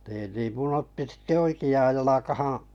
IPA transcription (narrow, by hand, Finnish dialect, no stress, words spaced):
niː niːm mun otːi sĭte oikiɑːj jɑlɑkɑhɑ̃ː